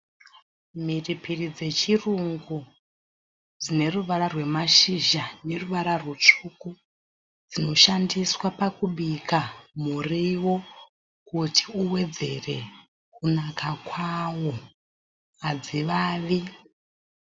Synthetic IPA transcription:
miripʰirid͡ze̞t͡ʃiruŋɡu | d͡zine̞ruʋaɾarwe̞maʃiʒane̞ruʋaɾarwut͡ʂuku | d͡zino̞ʃandiswapakuɓikʰamuriwo̞ | kutʰi̥uwe̞d͡ze̞̰re̞̰ | kunakakwawo | ad͡ziʋaːʋi

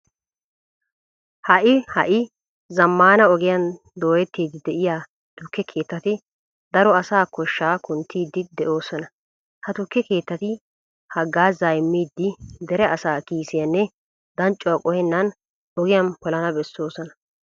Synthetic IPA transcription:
hɐʔɪhɐʔɪ | zɐmːaːnɐɔɡɪjɐn | d̪o̞ːjɛt̪ːiːd̪ɪd̪ɛʔɪjaː | t̪ʊkːɛkʰe̞ːt̪ːɐt̪ɪ | d̪ɐɾɔɐsaːkɔʃːaːkʊnt̪ʰːiːd̪ːɪd̪ɛʔo̞ːsɔnɐ | hɐt̪ʊkːɛke̞ːt̪ːɐt̪ɪ | hɐɡːaːzajɪmːiːd̪ːɪd̪ɛɾɛʔɐsaːkiːsɪjɐnːɛ | d̪ɐnt͡ʃʼːɔwɐkʼɔhɛnːɐn | ɔɡɪjɐnkɔlɐnɐbɛsːo̞ːsɔnɐ

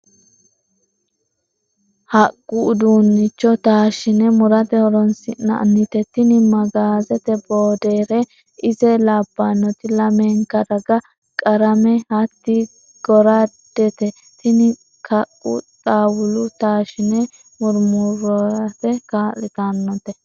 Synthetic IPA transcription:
hɐkʼːʊd̪uːnːɪt͡ʃːɔt̪aːʃɪnɛmʊɾɐt̪ɛhɔɾɔnsɪnːɐ̰ʔnɪt̪ɛt̪ɪnɪmɐɡaːzɛt̪ɛboːd̪eːɾɛ | ɪzɛlabːanːɔt̪ɪlɐmeːŋkːɐɾɐɡɐ | kʼɐɾɐmɛhɐt̪ːɪ | ɡ̥ɔɾad̪̥ɛt̪ɛ | t̪ɪnɪ | kʰɐkʼːʊ̰t̪ʼaːwʊlʊt̪aːʃɪnɛ | mʊɾmʊɾɔɾɐt̪ɛkaːlːɪt̪ɐnːɔt̪ɛ

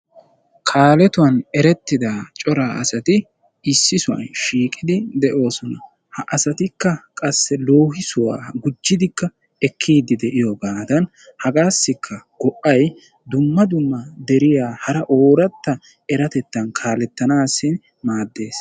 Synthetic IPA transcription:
kʰaːlɛt̪ʊwɐnɛɾɛt̪ːɪd̪aːt͡ʃʼɔɾaːʔɐsɐt̪ɪ | ɪsːɪsʊwɐ̰nʃiːkʼɪd̪ɪd̪ɛʔo̞ːsɔnɐ̰ | hɐʔɐsɐt̪ɪkːɐkʼɐsːɛlo̞ːhɪsʊwa̰ːɡʊd͡ʒːɪd̪ɪkːɐ | ɛkʰːiːd̪ɪd̪ɛʔɪjɔbaːd̪ɐn | hɐɡaːsːɪkʰːɐɡ̥ɔʔɐj | d̪ʊmːɐd̪ʊmːɐd̪ɛɾɪjaːhɐɾɐʔo̞ːɾɐt̪ːɐ | ɛɾɐt̪ɛt̪ːɐnkʰaːlɛt̪ːɐnaːsːɪn | maːd̪ːe̞ːs

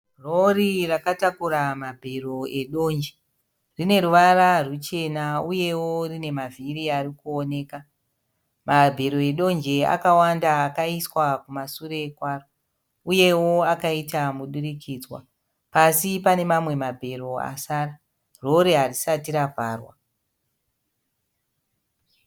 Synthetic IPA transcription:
rorirakatakuɾamabʱe̞roe̞ɗo̞ːnd͡ʒe | rine̞ɾuʋaɾarut͡ʃe̞nauje̞wo̞rine̞mavʱiɾiarikuone̞ːka | mabʱe̞ɾo̞eɗo̞nd͡ʒe̞a̰kawandaːkaiswakumasuɾe̞ːkwaːro | uje̞wo̞akaitamuɗuɾikʰiːd͡zwa̰ | pasipane̞mamwe̞mabʱe̞ɾo̞a̰saːra | ro̞ɾe̞ɦarisatiɾavʱaːrwa̰

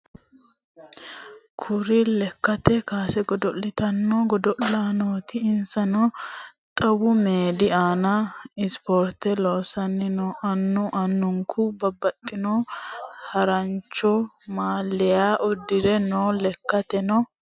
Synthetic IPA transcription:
kʰʊɾɪlɛkːɐt̪ɛkaːsɛɡɔd̪ɔlːɪt̪ɐnːɔɡɔd̪ɔlaːnoːt̪ɪːnsɐnɔt̪ʼɐwʊmeːd̪ɪaːnɐɪspɔɾt̪ɛloːsɐnːɪnɔʔɐnːʊʔɐnːʊŋkʰʊbɐbːɐt̪ʼːɪnoːhɐɾɐnt͡ʃːɔ | maːlːɛjaːʔɔd̪ːɪɾɛnoːlɛkːɐt̪ɛnɔ

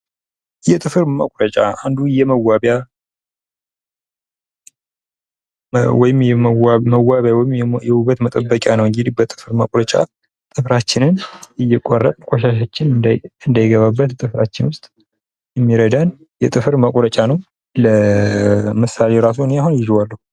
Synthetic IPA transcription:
jɛt̪ʼɨfɨɾmə̰kʼɾət͡ʃʼaa̰nd̪ujɛməwabja | wɔjɪmjɛməwːaβjawɔjɪmjɛhuβət̪mət̪ʼəbːəkʼanəwɨŋɡɪd̪ibət̪ʼɨ̥fɨɾməkʼɾət͡ʃʼa̰ | t̪ʼɨfɾat͡ʃːɪnɨnɨjːɛkʼorːət̪ʼkʼoʃaʃat͡ʃːɪnɨnd̪ajɪɡəβabːət̪t̪ʼɨfɾat͡ʃːɪnwʊst̪ʼ | jɛmːiɾəd̪an | jɛt̪ʼɨfɨɾməkʼɾət͡ʃʼanəw | lə | mɨsaleɾas̬uneaɦunjɪʒwalːəhu

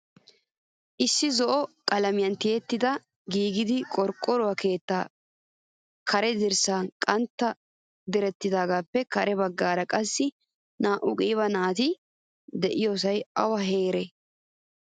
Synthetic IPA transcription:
ʔɪsːɪzɔʔɔkʼɐlɐmɪjɐnt̪ɪjɛt̪ːɪd̪ɐ | ɡiːɡɪd̪ɪkʼɔɾkʼːɔɾʊwɐke̞ːt̪ːa̰ː | kʰɐɾɛd̪ɪɾsaːnkʼɐnt̪ːɐ | d̪ɪɾɛt̪ːɪd̪aːɡaːpːɛkɐɾɛbɐɡːaːɾɐkʼɐsːɪ | naːʔʊkʼiːβɐnaːt̪ɪ | d̪ɛʔɪjos̬ɐjɐwɐɦeːɾɛ

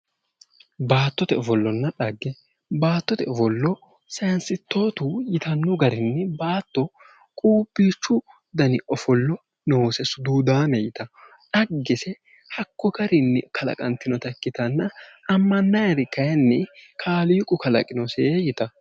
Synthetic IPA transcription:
baːt̪ːɔt̪ɛvɔlːɔnːɐᶑɐɡːɛ | baːt̪ːɔt̪ɛɔvɔlːɔ | sɐjɐnsɪt̪ːo̞ːt̪ujɪt̪ɐnːʊɡɐɾɪnːɛbaːt̪ːɔ | kʼuːbːiːt͡ʃːʊ | d̪ɐnɪʔɔfɔlːɔ | noːsɛsʊd̪uːd̪aːmɛjɪt̪ɐ | ᶑɐɡːɛsɛ | hɐkːɔɡɐɾɪnːɛkʰɐlɐ̰kʼɐnt̪ːɪnɔt̪ɐkːɪt̪ɐnːɐːmːɐnːɐjɐɾɪkːɐjɐnːɛkʰaːliːkʼːʊkɐlɐ̰kʼɪnɔseːjɪt̪ɐ

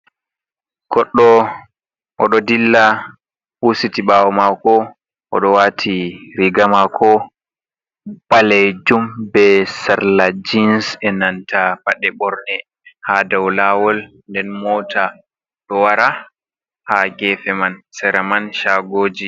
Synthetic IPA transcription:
ɡ̥ɔɗːɔ | ʔɔɗɔdilːa | husitiɓaːwɔmakɔ | ʔɔ̰ɗɔwatʰiɾiɡamakʰɔ | balɛd͡ʒumbɛsaɾlad͡ʒinsɛnantapaɗɛɓɔɾnɛ | hadawlawɔl | ndɛnmɔːtʰa | ɗɔwaɾa | haɡɛfɛmansɛɾamanʃaɡoːd͡ʒi

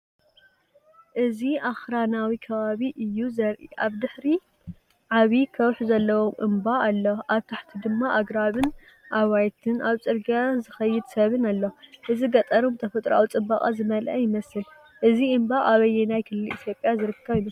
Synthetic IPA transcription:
ʔɨziʔaxɾanawikʰɐβaβiʔɨjːuzɐɾʔḭʔaβd̪ɨħɾi | ʕaβikʰɐwħzɐlːɐwo̞mʔɨ̰mbaːlːɐʔaβt̪ʰaħt̪ʰid̪ɨmːaʔaɡɾaβɨn | ʔaβajt̪ʰɨnʔaβt͡sʼɨɾɡijazɨxɐjːɪd̪sɐβɨnalːɐʔɨziɡɐt̪ʼɐɾomt̪ʰɐfɐt̪ʼɾa̰wut͡sʼɨbːakʼa̰zɨmɐlʔɐ̰jɪmɐsɨl | ʔɨziɨmbaʔaβɐjːenajkʰɨlːɨlit̪jo̞pʼjazɨɾɨkʰːɐβjɪmɐs

